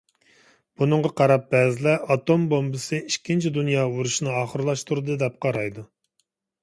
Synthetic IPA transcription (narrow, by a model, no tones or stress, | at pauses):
b̥unɨŋʁɑqʰɑɾɑp̚bɛːzɪlɛʔɑt̪ombombɨsɨiʃkʲːint͡ʃʰid̪unjɑːuɾuʃnɨɑːχəɾɨlˠɑʃt̪ʰuɾɨd̪ɨd̪ɛp̚qʰɑɾɑjd̪u